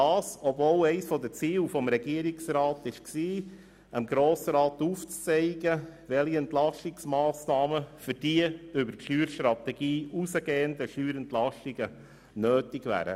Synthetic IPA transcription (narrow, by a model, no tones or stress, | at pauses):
ɑːsɔbvoːlɛɪsfɔd̪ət͡siːwfɔmɾɛɡiəɾiksɾɑːt̪ɪʃksiː | ʔəmɡɾoːsəɾɑːt̪uːft͡st͡sɛɪɡəʋɛliɛnt̪lɑʃtɪksmɑːsnɑːməfʏɾd̥iəʏbəɾtʃyːɾʃt̪ɾɑt̪ɛɡ̥iːusəɡeːənd̪əʃyːɾɛnt̪lɑʃtiɡ̥ə | nøːtɪɡʋæ̰ːɾə̰